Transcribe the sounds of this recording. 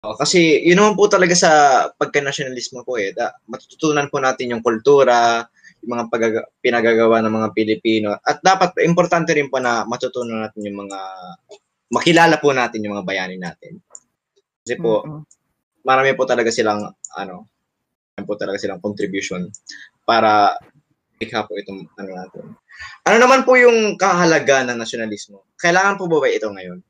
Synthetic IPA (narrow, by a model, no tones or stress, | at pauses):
ʔoʔokɐsɛjʊnːɐmanpʊt̪ɐlɐɡasɐpɐɡ̚kɐnɐʃjonɐlismopoʔɛd̪aʔmɐt̪ʊ̥t̪ʊt̪uːnɐnpʊnaːt̪ɪnjʊŋkʊlt̪uːɾɐ | jʊŋmɐŋapɐɡaɡpɪnɐɡaɡɐwanɐŋmɐŋapɪlɪpiːno̞ʔɐt̪̚d̪aːpɐt̪̚ʔɪmpoɾt̪ant̪ɛɾɪnponɐmɐt̪ʊt̪uːnɐnaːt̪ɪnjʊŋmɐŋa | mɐkɪlaːlɐpʊnaːt̪ɪnjʊŋmɐŋabɐjaːnɪnːaːt̪ɪn | kɐsɛpo | mɐɾaːmɪpʊt̪ɐlɐɡasɪlaŋʔɐ̰no̞ | aːmmɪpʊt̪ɐlɐɡasɪlaŋkont̪ɾɪbjʊʃon | paːɾɐ | lɪkhapoʔɪt̪oŋʔɐnonaːt̪ɪ̰n | ʔɐno̞nɐmanpʊjʊŋkɐhɐɦɐlɐɡanːɐŋnɐsonɐlismokɐʔɪlaːŋɐnpobubajɪt̪oŋɐjo̞n